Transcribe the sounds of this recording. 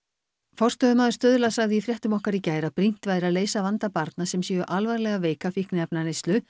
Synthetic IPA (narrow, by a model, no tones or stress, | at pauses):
fɔr̥st̪œɣʏmaːðʏ̥st̪œðʏlasaɣðɪifɾjɛht̪ʏmɔhkaɾicaːjɾapɾin̥t̪vaːjɾaðleːjsavant̪apaɾt̪nasɛmsjɛɣʏʔalvaɾlɛɣaveːjkafihknɪɛpnanejst̪lʏ